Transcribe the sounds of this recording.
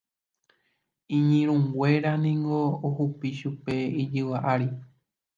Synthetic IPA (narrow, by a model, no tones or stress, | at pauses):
ĩɲĩɾ̃ũŋɡʷe̞ɾanĩŋɡo̞ohupiʃupe̞id͡ʒɨʋaʔaɾi